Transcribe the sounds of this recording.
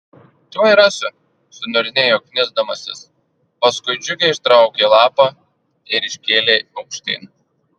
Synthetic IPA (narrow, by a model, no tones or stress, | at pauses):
t̪ʲoːjɾɑsʊ | sʊnʊɾʲɪnʲɛjoːkʲnʲɪzd̪ɐmɐsʲɪ̰s | pɐskʊɪd͡ʒʲʊkʲɛɪʃt̪ɾɑˑʊkʲeːlˠɑːpɐ | ɪɾɪʃʲkʲeːlʲeːɐʊkʃʲt̪ʲɐ̰ɪn